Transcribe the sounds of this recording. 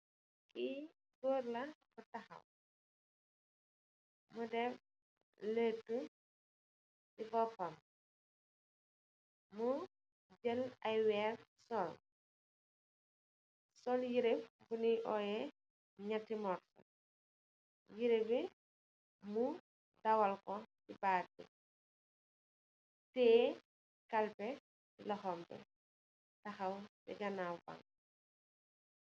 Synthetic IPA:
ki | koːrlɐkɔtɐxɐ̰m | mudɛf | letːu | sibɔpːɐm | mu | d͡ʒəlɐjwɛːrsɔl | sɔljiɾefbuniʔɔjɛ | ɲatːimɔrtɐ̰ | jiɾewɛ | mu | dɐwɐlkɔtibaːɾbɛ̰ | tɛː | kɐlpɛ | lɐxɔmbɛ̰ | tɐxɐwbɛ̰ɡɐnawba̰ŋ

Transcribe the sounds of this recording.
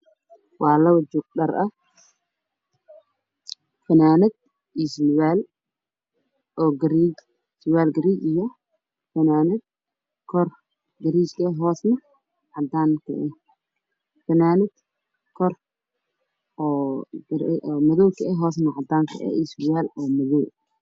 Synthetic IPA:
wɑːlɐwd͡ʒʊɡ̚ɗɐrɐ | fɐnaːnɐd̪̚ | iswaːl | ʔɔːɡɐɾid͡ʒ | swaːlɡɐɾiːt͡ʃɪɣɐ | fɐnaːnɐd̪̚ | kʰɔr | ɡɐɾiːt͡ʃkʰɐɛɦɔːsnɐ | ʕɑd̪aːŋkʰɐ̰ʔɛ | fɐnaːnɐd̪̥ | kʰɔr | ɔɡɐɾʔmɐðɔwkʰɐɛɦɔːs̬nɐʕɑd̪aːŋkʰɐ̰ʔɛ̰islwaːlɔːmɐðɔw

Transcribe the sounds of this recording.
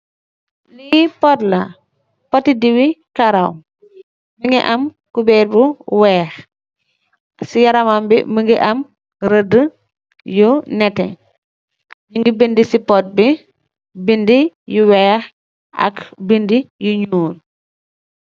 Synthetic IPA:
lipɔtlɐ | pɔtidiwikaɾaw | miŋɡiʔɐm | kubɛɾbuwɛːx | sijaɾamambḭməŋɡiʔɐm | ɾədə | junɛtɛ̰ | jiŋɡibindisipɔt̚bi | bindijuwɛːx | ʔɐ̰kbindijuɲuːn

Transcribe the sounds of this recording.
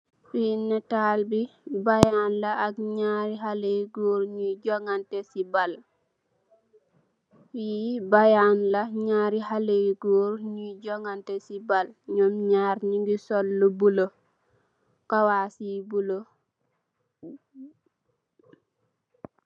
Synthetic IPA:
finːɛtaːlbibajanlaːɡɲaːɾiɦaleɡɔːɾɲud͡ʒɔŋɡantɛsibal | wibajanlaɲaːɾiɦaleɡɔːɾɲud͡ʒɔŋɡantɛsibalɲɔmɲaːɾɲiŋɡisɔlːubulo | kawaːsibulo

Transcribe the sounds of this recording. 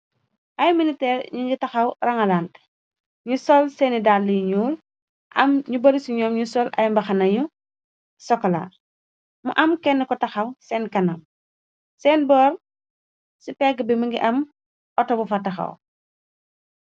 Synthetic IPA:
ʔɐjminitɛːɾɲuɲɡitɐxɐwrɐŋɐlant | ɲusɔlsɛːnidaːlːiuɲuːl | ʔɐ̰mɲubɐɾisiɲɔːmɲusɔlɐ̰jmbɐxɐnɐɲu | sɔkːɔla̰ːr | mṵʔɐmkɛnːɛkɔtɐxɐwsɛːnkɐnɐm | sɛːnbɔːr | sipɛɡəbimɐŋɡḭʔɐm | ɔtɔbufɐtɐxɐ̰w

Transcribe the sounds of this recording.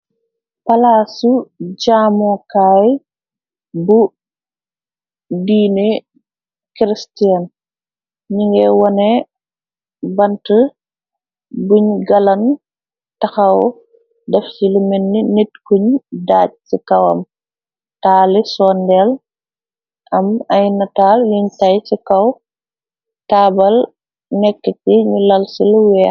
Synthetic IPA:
pɐlaːsuɟaːmɔkaːj | bu | diːne | kɾistian | ɲiŋɡɛwɔnɛ | bɐntə | buɲɡɐlɐn | tɐxɐw | dɛfsilumɛnːinitkuɲdaːt̚sikɐwɐ̰m | taːlisɔːndɛl | ʔɐmɐjnɐtaːljuɲtɐjsikɐw | taːbɐl | nɛkːəkiɲulɐlsilwɛ

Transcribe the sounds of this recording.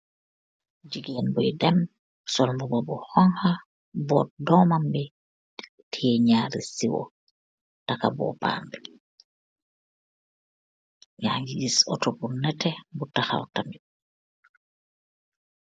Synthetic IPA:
d͡ʒiɡeːnbɔjdɛn | sɔlmbɔbɔbɔhɔŋha | bɔːt̚dɔmambɛ | tʰieɲaːɾisiwɔ̰ | taka̰bɔ̰pa̰ːmbi | jaːɲɡid͡ʒisɔ̰tɔbunɛtɛbutaxa̰wtamib̚

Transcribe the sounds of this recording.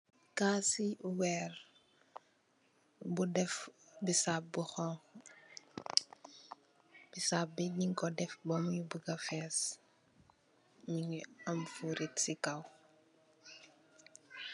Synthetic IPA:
kasiwɛːr | budɛfbisap̚buxɔŋx | b̥isaːp̚biɲiŋkɔdɛfbɔmjubuɡafɛːs | miŋɐmfuɾʔitsikaw

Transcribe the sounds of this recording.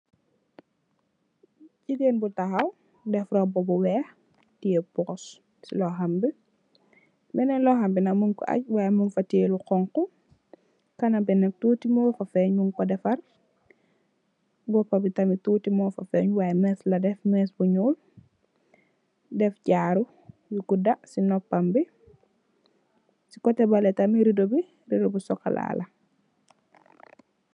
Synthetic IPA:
cideːnbutɐxɐw | dɛfɾɔbɔbɔwɛːx | tijɛpɔs | silɔɦɐmbi | bɛnɛnlɔːɦɐmbinɐmunkɔ̰ʔɐ̰c̚waːjɛmunfɐteːluqɔŋkɔ | kɐnɐbɛnɛk̚tuːtimɔːfɐfɛɲmunkɔdɛfɐr | bɔpːɐbitɐmitutimɔːfɐfɛːɲwaːjɛmɛslɐdɛfmɛsbuɲuːl | dɛfɟaːɾu | jukudasinɔpːɐmbi | si̥kɔtɛbalɛtɐmiɾidobi | ɾidobisɔkːa̰la̰ːlʔɐ

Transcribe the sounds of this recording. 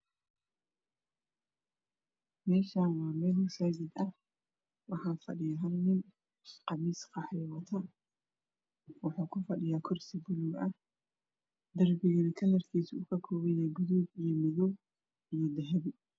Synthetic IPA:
mɛːʃaːwɑːmɛːlʊsaːɡɪd̪ɐh | wɑħɑːfɐ̰ɖɪjaːɦɐlnɪn | qɑmiːsqɑħɛːwɐt̪ʰɐ | wɑħuːkʰʊfɐɗɪjaːkʰɔrsɪbʊluɡɐh | d̪ɐrbɪɣɐnɐkʰɐlɐrkʰiːsʊʊkʰɐkʰɔːβɛjaːɡʊðubijɔmɪðɔ | ijɞd̪ɛɦɛβɪ

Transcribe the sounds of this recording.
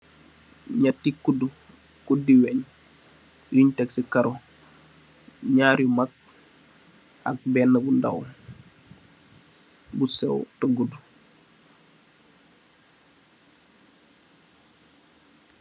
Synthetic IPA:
ɲatːikːudu | kudiwɛɲ | juɲtɛksikɐɾo | ɲaːɾjumak̚ | ʔa̰k̚bɛnːəbunda̰w | busɛ̰wtoɡudu

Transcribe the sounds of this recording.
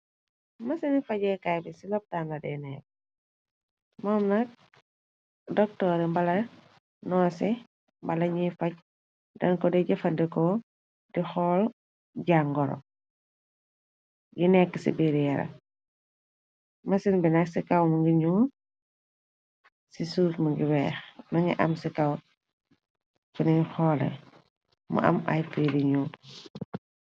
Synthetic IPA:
mɐsinifɐɟɛkajbisilɔp̚tanɐdɛnɛːk | mɔːmnɐk̚ | dɔk̚tɔːɾɛmbɐlɐ | nɔːsɛ | mbɐlɐɲifɐɟ̚ | dɐ̰nkɔdɛɟɐfɐndɛkɔ | dixɔl | ɟaŋɡɔɾɔ̰ | ɡinɛkːəsḭbeɾijɐɾɐ̰ | mɐsinbinɐksikɐwmuŋɡiɲuː | sisuːfmuŋɡiwɛːxnɐŋɡḭʔɐ̰msikɐw | funixɔːlɛ̰ | mṵʔɐ̰mɐ̰jpidiɲuː

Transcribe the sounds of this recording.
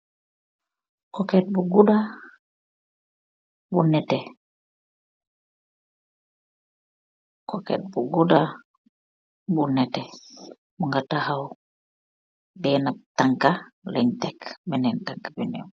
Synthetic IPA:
kɔkɛt̚buɡuda | bunɛtɛ | kɔkɛ̰t̚buɡuda | bunɛtɛ | buŋɡatahaw | bɛnataŋkalɛɲtɛkbɛnɛntaŋkḁbinɛ

